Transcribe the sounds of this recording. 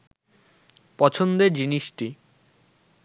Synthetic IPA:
pɔt͡ɕʰond̪eɾd͡ʑiniʃʈi

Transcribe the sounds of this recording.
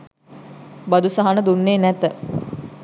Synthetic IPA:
bad̪usaɦanəd̪unːeːnɛt̪ə

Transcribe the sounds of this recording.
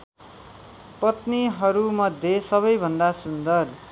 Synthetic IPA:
pʌt̪niɦʌɾumʌd̪ʱːjesʌβʌjbʱʌnd̪asund̪ʌr

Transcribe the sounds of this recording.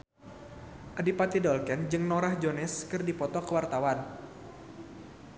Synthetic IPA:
ʔadipat̪idɔlkɛnd͡ʒɨŋnɔɾahd͡ʒonɛskɨrdipɔt̪ɔkəwart̪awan

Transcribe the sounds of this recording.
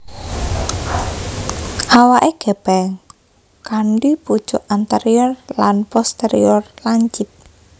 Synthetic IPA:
ʔawaʔeɡ̥ɛb̥ɛŋ | kaɳɖipu̥t͡ʃɔʔant̪əɾiɔrlanpɔst̪eɾḭɔrlaɲt͡ʃɪp̪̚

